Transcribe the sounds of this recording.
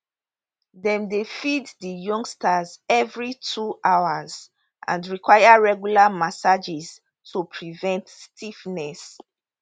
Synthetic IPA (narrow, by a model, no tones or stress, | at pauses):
dɛ̃mdefiddijɔ̃ŋɡstazɛvɹitʰuʔawaz | ʔã̰ndɹikwajaɹɛɡjulamasad͡ʒɛz | tʰupʰɹivɛ̃ntstʰifnɛs